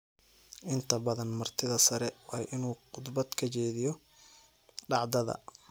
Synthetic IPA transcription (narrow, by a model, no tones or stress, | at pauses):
ʔɪnt̪ʰɐbɐðɐnmɐrt̪ʰɪðɐsɐɾɛwɑːʔɪnuːqʊd̪bɐd̪kʰɐt͡ʃɛːðɪjɔ | ɖɑʕd̪ɐðɐ̰